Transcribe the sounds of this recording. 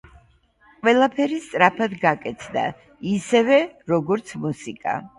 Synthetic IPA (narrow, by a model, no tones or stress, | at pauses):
qʼwɛlˠapʰɛɾist̪sʼɾapʰad̪ɡakʼɛt̪sʰd̪a̰ | isɛvɛɾɔɡɔɾt̪sʰmusikʼa̰